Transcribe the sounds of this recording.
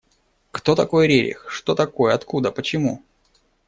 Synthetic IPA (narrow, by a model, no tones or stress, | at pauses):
kt̪o̞t̪ɐko̞jɾʲeɾʲɪ̰xʂt̪o̞t̪ɐko̞jəɐt̪kud̪əpət͡ɕɪmu